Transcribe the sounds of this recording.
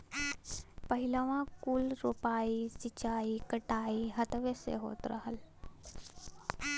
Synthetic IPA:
pəɦilaʋãkuːlɾoːpaːisit͡ʃaːikəʈaːiɦət̪ʋesḛɦo̰ːt̪ɾəɦəl

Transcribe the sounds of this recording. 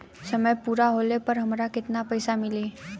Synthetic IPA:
səməjpuːɾaɦoːlepəɾɦəmɾakɪt̪napəjsamɪliː

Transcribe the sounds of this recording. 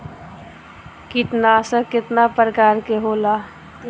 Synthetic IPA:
kit̪nasəkɪt̪napɾəkaːɾkeɦoːlaː

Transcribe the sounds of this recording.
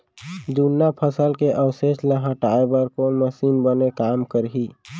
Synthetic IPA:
d̪unːapʰəsəlkeʔəwseʃləɦəʈaebəɾkonməsimbənekamkəɾɦi

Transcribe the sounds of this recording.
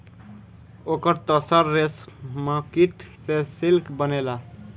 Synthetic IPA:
okəɾt̪əsəɾːesmãkiʈ̪sesilkbənela

